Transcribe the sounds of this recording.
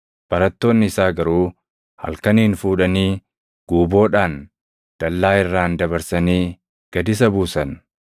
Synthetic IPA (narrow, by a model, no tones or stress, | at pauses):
b̥ɐɾɐt̪ːo̞ːnːɪɪsaːɡɐɾuː | hɐ̰lkɐniːnfuːᶑɐniː | ɡ̥uːbo̞ːᶑaːn | d̪̥ɐlːaːɪrːaːnd̪ɐβɐɾsɐniː | ɡ̥ɐd̪ɪs̬ɐbuːsɐn